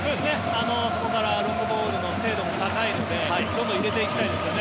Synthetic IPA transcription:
so̞ːd̪esɨne̞ | ano̞so̞ko̞kaɾaɾõŋɡɯbo̞ːɾɯ̟no̞se̞ːd̪o̞mo̞t̪akaino̞d̪e̞aid̪õ̞moiɾe̞t̪e̞ikʲi̥t̪aid̪e̞sɨjo̞ne

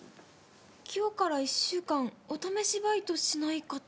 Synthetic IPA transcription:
kʲʰoːkaɾaiɕːɨːkãɴot̪ame̞ɕibait̪o̞ɕinaika

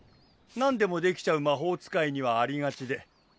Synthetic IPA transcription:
nãnd̪e̞mo̞d̪e̞kʲi̥t͡ɕaɯ̟maɦo̞ːt͡sɨ̥kaiɲ̟iβaːɾʲiɡat͡ɕid̪e̞

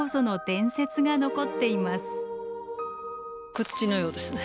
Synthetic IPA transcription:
osono̞t̪ẽ̞ɰ̃se̞t͡sɨɡano̞ko̞t̪ːe̞imasɨ̥ | kɯ̟t͡ɕːinojo̞ːd̪esɨne

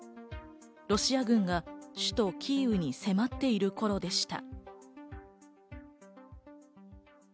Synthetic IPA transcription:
ɾo̞ɕiaɡɯ̟̃ŋɡaɕɨ̥t̪o̞kʲʰiːɯ̟ɲ̟ise̞mat̪ːe̞iɾɯ̟ko̞ɾo̞d̪e̞ɕi̥t̪a̰

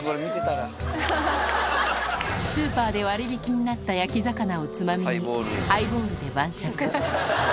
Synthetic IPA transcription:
oɾmit̪et̪aɾa | sɨːpaːd̪e̞βaɾibʲikʲiɲ̟inat̪ːajakʲizakanao̞t͡sɨmamʲiɲiaibõːɾɯ̟d̪e̞bãɕakɯ

